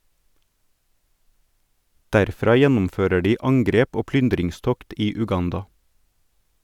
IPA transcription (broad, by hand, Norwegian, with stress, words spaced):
dæɾˈfɾɑː ˈjɛnm̩ˌføːɾə ˈɖiː ˈɑŋɡɾeːp ˈoː ˈplʏndɾɪŋˌstɔkt ˈiː ʉˈɡɑndɑ